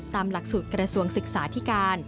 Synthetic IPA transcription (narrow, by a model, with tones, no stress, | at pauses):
t̪aː˧mla˨˩k̚suː˨˩t̪̚kɾa˧su˧əŋsɯ˨˩k̚saː˩˦t̪ʰiː˦˥kaː˧n